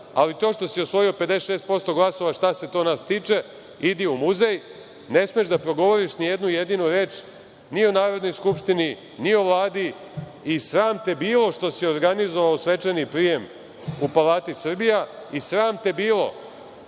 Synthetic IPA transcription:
alit̪oʃt̪o̞siosʋo̞jio̞ped̪eʃest̪po̞st̪o̞ɡlˠaso̞ʋaʃt̪ase̞t̪o̞ːnast̪iːt͡ʃe̞ | id̪iumuzej | ne̞smeʒd̪apɾo̞ɡo̞ʋo̞ɾiʃnijed̪nujed̪inuɾe̞ːt͡ʃ | nio̞naːɾo̞d̪no̞jskupʃt̪ini | nio̞ʋlˠaːd̪iː | sɾaːmt̪ebiːlˠo̞ʃt̪o̞sio̞ɾɡanizo̞ʋaosʋe̞t͡ʃenipɾije̞m | upalaːt̪isr̩bija | isɾaːmt̪ebiːlo̞̰

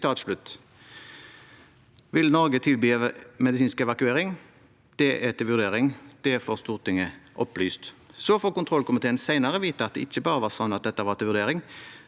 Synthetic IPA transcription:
t̪ʰɑːt̪ʂlʉt̪ː | ʋɪlnɔʁɡət̪ʰɪlbyːmɛd̪ɪsiːnskɛʋɑkʉeːʁɪŋ | d̪̥ɛʔæt̪ɪlʋʉʁd̪eːʁɪŋd̪̥ɛfoːʁst̪uːʁt̪ʰɪŋəʔɔplyːst̪sɔfoːkʊnt̪ʰʁɔlkʊmɪt̪ʰeːənsæɪnəʁəʋiːt̪əɑt̪̚d̪ɛ̰ɪçːəbɑːʁəʋɑʁsɔnːɑt̪̚d̪ɛt̪ːəʋɑːʁt̪ʰɪlʋʉɾd̪eːʁɪŋ

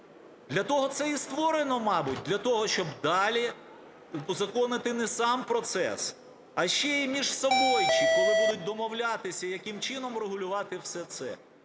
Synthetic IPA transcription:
d̪lʲɐt̪ɔɦɔt̪sɛist̪ʋɔɾenɔmɑbʊt̚ʲd̪lʲɐt̪ɔɦɔʃt͡ʃɔbd̪ɑlʲi | zɐkɔnɪt̪ɪnɛsɑmpɾɔt̪sɛ̰s | ɐʃt͡ʃɛimʲiʒsɔbɔjt͡ʃibɔɪbud̪ʊt̚ʲd̪ɔmɔwlʲɑt̪ɪsʲɐjɐkɪmt͡ʃɪnɔmreɦʊlʲʊʋɑt̪ɪwsɛt̪sɛ̰

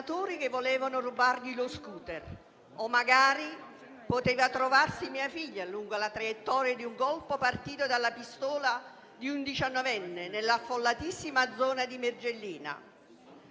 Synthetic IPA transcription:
t̪oːɾik̟evːolɛːvanʊrubarʎiloskuːt̪ɛr | omːaɡaːɾi | pot̪eːvat̪ɾovarsimiːafiʎːaluŋɡolat̪ɾajɛt̪ːɔːɾjad̪iuŋkɔlpopart̪iːt̪od̪alːapist̪ɔːla | d̪iund̪it͡ʃanːɔvɛnːɪnelːafːolːat̪isːimad̪zɔːnad̪imerd͡ʒelːiːna̰

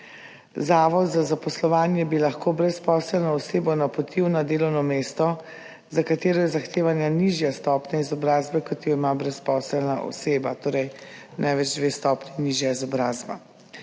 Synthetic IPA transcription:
zaːʋɔd̪zazapɔslɔʋaːnjɛbilaxkoːbɾɛspɔːslɛlnɔɔseːbɔnapɔt̪iwnad̪eːlɔwnɔmeːst̪ɔ | zakat̪eːɾɔjɛzaxt̪eːʋanjaniʒjast̪ɔːpnjaizɔbɾaːzbɛkɔt̪jɔimabɾɛspɔːsɛlnaʔɔ̰seːbat̪oːɾɛjnʔajʋɛd͡ʒd̪ʋeːst̪ɔːpniniʒjaizɔbɾaːzba̰

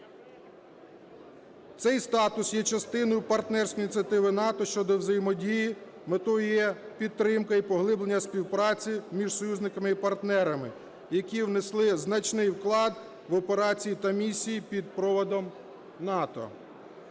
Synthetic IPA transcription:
t̪sɛjst̪ɑt̪ʊsjɛt͡ʃɐst̪ɪnɔjʊpɐrt̪nɛrsʲkɔinʲt͡sʲiɐt̪ɪʋɪnɑt̪ɔʃt͡ʃɔd̪ɔwzɐjimɔdʲiji | met̪ɔjjɛ | pʲid̪̚ːɾɪmkɐipɔɦlˠɪblenʲːɐsʲpʲiwpɾɑt͡sʲimʲiʒsɔjuzʲnɪkɐmɪipɐrt̪nɛɾɐmɪ | jɐkʲiwneslˠɪznɐt͡ʃnɪjwklˠɑd̪ | ʋɔpeɾɑt͡sʲijit̪ɐmʲisʲijipʲid̪̚pɾɔʋɔd̪ɔm | nɑt̪ɔ̰

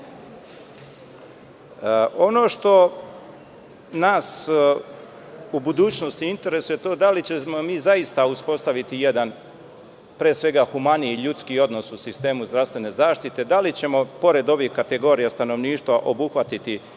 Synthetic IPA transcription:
o̞no̞ʃt̪o̞ | naːs | ubud̪uːt͡ɕnost̪iint̪e̞ɾe̞suje̞t̪o̞ːd̪alit͡ɕemo̞miːzaist̪auspo̞st̪aʋit̪ije̞d̪an | pɾeːsʋe̞ɡaxumaniiʎut̪skio̞d̪no̞susist̪e̞ːmuzd̪ɾaʋst̪ʋe̞ne̞zaːʃt̪it̪e̞d̪alit͡ɕe̞mo̞po̞ɾe̞d̪o̞ʋihkat̪e̞ɡo̞ːɾijast̪ano̞ʋniːʃt̪ʋaʔo̞buxʋat̪it̪i

